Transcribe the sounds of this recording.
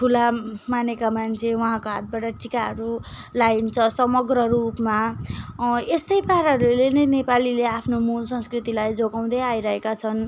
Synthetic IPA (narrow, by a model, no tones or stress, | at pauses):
ʈʰulamanekamant͡sʰewʌɦãkoɦa̰t̪̚baʈʌʈikaɦʌɾu | lajnt͡sʰʌsʌmʌɡrʌrupma | est̪ʌjpaɾʌɾulenʌjnepalileapʰnomulsʌ̃nskrit̪ilajd͡zoɡaw̃d̪ʌjajɾʌɦekat͡sʰʌn